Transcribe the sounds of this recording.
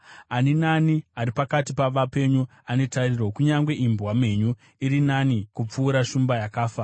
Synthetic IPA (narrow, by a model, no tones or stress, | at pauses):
aninaniaɾipakatipaʋape̞ɲu | ane̞tarirokuɲaŋɡwe̞ʔimbwame̞ɲu | iɾinanikup͡fuːɾaʃumbajakaːfa